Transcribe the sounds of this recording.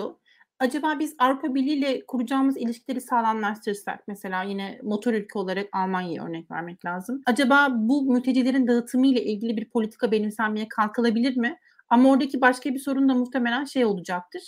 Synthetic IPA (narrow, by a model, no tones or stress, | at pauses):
o | ad͡ʒabaːbizavɾupʰabiɾlʲiːlʲɛkʰuɾud͡ʒaːmɯzilʲiʃcʰilʲe̞ɾisaːlˠanlˠaʃt̪ʰɯɾsa̰k̚mese̞lʲaːjinɛmo̞t̪ʰo̞ɾylʲcʰɛo̞lˠaɾakalˠmanjaja̰ø̰ɾnɛcvæ̰ɾmɛclʲaːzɯmad͡ʒabaːbumyt̪ʰe̞d͡ʒilʲe̞ɾind̪aɯt̪ʰɯmɯjlʲˠaʔilʲɟilʲibiɾpʰolʲit̪ʰi̥kʰabe̞nimsænmijɛkʰalˠkʰɯlˠabilʲiɾmɪ | amao̞ɾd̪acʰibaʃkabiso̞ɾund̪amut̪ʰeme̞lʲænʃe̞jo̞lˠud͡ʒak̚t̪ʰɯɾ̥